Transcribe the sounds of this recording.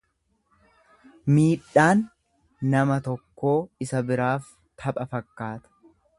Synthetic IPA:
miːᶑːaːnː | ɐmɐt̪ɔkːo̞ːɪsɐbɪɾaːf | t̪ʰɐpʼɐfɐkːaːt̪ɐ̥

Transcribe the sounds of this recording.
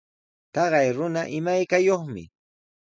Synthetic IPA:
t̪ɑɢɑjɾʊnaʔɪmajkajoχmɪ̰

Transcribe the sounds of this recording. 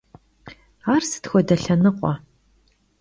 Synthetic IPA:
aːrsɨ̥txʷɔdɐɬɐnɨqʷʼɔ̰

